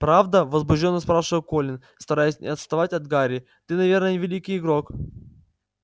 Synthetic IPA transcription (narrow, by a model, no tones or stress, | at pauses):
pɾavd̪əvəzbʊʒdʲo̞nːəspɾafʂɨvəkolʲɪn | st̪ɐɾajɪsʲnʲʔɪ̰ɐt̪st̪ɐvatʲɐd̪ɡaɾʲɪ | t̪ɨnɐvʲe̞rnəəɪvʲɪlʲikʲɪjɪɡɾo̞k